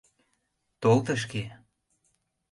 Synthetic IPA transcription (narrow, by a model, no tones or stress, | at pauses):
t̪olt̪ə̆ʃ̬ke